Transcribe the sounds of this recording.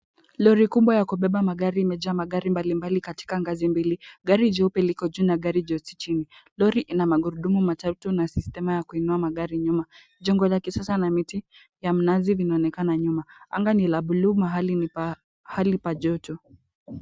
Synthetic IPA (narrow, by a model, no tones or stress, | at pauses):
lɔɾikumbwajakuɓɛɓamaɠaɾiːmɛd͡ʒamaɠaɾimbalimbalikati̥kaŋɡazimbiliɠaɾid͡ʒɔupɛlikɔd͡ʒuːnaɠaɾid͡ʒɔsi̥t͡ʃinilɔɾiʔinamaɡuɾuɗumumatatunasistɛmajakuinuamaɠaɾiɲuma | ʄɔŋɡɔlakisasanamiti | jam̩nazivinaɔnɛkanaɲumaa̰ŋɡanilaɓuluːmaɦali | halipaʄɔtɔ